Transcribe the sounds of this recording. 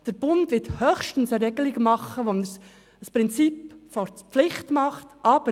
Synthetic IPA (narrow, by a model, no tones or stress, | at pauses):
d̥əɾb̥ʊndʋɪthøːxʃtn̩səɾɛɡəlɪɡmɑχəʋonəs | əspɾɪnt͡sipfɔpflɪχtmɑχtʔɑːb̥ə